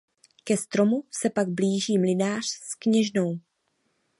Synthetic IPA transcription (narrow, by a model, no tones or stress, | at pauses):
kɛst̪ɾo̞musɛpaɡ̚bliːʒiːmlɪnaːr̝̥skɲɛʒno̞w